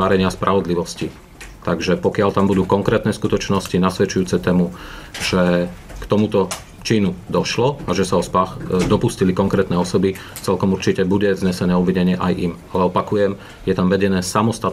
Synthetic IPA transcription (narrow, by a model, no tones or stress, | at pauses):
aɾɛɲɪaspɾʔaʋɔd̪liʋɔsci | t̪aɡʒɛpɔkɪalt̪ambud̪uːkɔŋkɾɛːt̪nɛːskut̪ɔt͡ʃnɔscinasʋɛt͡ʃujuːt͡sɛt̪ɛːmuʒɛkt̪ɔmut̪ɔ | t͡ʃiːnud̪ɔʃlɔaʒɛsaɔspaxd̪ɔpuscilikɔŋkɾɛːt̪nɛːɔsɔbi | t͡sɛlkɔmuɾt͡ʃicɛbuɟɛvzɲɛsɛnɛːuʋːiɲɛɲɪɛʔajʔimalɛɔpakujɛm | jɛt̪amʋɛɟɛnɛːsamɔst̪at̪